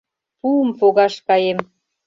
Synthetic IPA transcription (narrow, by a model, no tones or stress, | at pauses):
puəmfoɣɑʃkɑjem